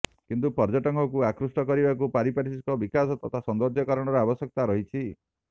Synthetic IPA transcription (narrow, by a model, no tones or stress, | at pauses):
kint̪̬upɔɾd͡ʒɔʈɔŋkʰɔkuakɾusʈɔkɔɾibakupaɾipaɾisiskɔbikasɔt̪ɔt̪ʰasɔnd̪ɔd͡ʒjɔkɔɾɔɽ̃ɔɾɔabɔsjɔk̚t̪aɾɔɦit͡ʃʰi